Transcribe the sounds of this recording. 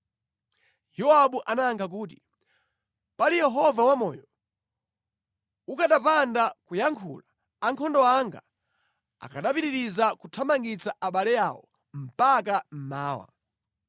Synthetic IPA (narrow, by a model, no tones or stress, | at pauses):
jɔaɓuʔanaːŋkʰak̬uːt̬i̥ | palijɛɦɔvawamɔjɔ | ukaɗapandakujaŋkʰṵla | aŋkʰɔndɔaŋɡa̰ | a̰kʰaɗapiɾiɾizakutʰamaŋɡit͡saʔaɓalɛja̰wɔ̰ | m̩pakam̩maːwa̰